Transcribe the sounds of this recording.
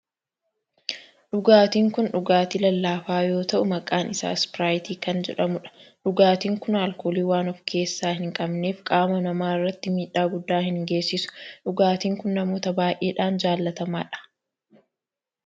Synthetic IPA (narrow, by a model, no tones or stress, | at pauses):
ᶑʊɡaːt̪iːŋkʊnᶑʊɡaːt̪ilɐlːaːfaːjo̞ːt̪ɐʔʊmɐkʼaːnɪsa̰ːspɪɾaːjt̪iːkɐnd͡ʒɛ̰ᶑɐmʊᶑɐ̥ᶑʊɡaːt̪iːŋkʊnaːlkoːliːwaːnɔfkʰe̞ːsːaːhɪŋkʼɐbne̞ːfkʼaːmɐnɐmaːɪrːɐt̪ːɪmiːᶑːaːɡʊd̪ːaːhɪŋɡe̞ːsːɪsʊ̥ᶑʊɡaːt̪iːŋkʊnːɐmo̞ːt̪ɐbaːjʔe̞ːᶑaːnd͡ʒaːlːɐt̪ɐmaːᶑɐ̥